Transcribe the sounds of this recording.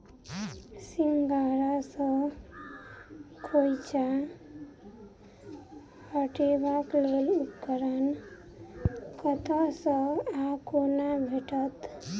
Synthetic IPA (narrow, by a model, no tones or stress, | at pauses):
simɡaɾasʌ̃ | kʰojt͡ʃa | həʈebaklelupkəɾən | kət̪asə̃akonabʱeʈət̪